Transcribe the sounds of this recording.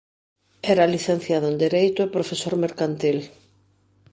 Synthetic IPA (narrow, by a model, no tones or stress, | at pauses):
ɛɾaliθẽn̟θjaðʊẽnd̪eɾejt̪ʊpɾofesoɾmeɾkant̪il